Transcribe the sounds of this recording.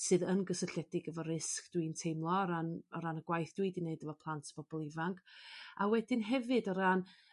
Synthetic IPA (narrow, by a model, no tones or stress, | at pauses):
sɨðənɡəsəɬɛdɪɡəvɔɾɪskd̥wintʰejmlˠɔɾanɔɾanəɡ̥wajθd̥wiːdineɨdəvɔpʰlˠantʰb̥ɔb̥ɔlˠivaŋkʰawɛdɪnɦɛvɨdɔɾan